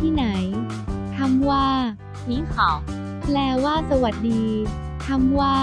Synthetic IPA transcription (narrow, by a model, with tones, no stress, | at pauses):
t̪ʰiː˥˩na˩˦j | t̪ʰa˧mwaː˥˩ | mi˧˥˩kʰɔː˨˩˦ | plɛː˧waː˥˩sa˧wa˨˩t̪̚diː˧ | t̪ʰa˧mwaː˥˩